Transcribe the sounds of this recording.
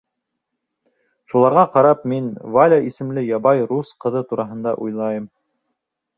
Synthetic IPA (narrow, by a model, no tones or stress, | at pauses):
ʃulˠɑɾʁɑqɑɾɑp̚minvalʲaisɘ̆mlɘjɑbɑjɾusqɤ̆ðɤt̪uɾɑɦɤ̆nd̪ɑ̰ʔujlˠɑjɤm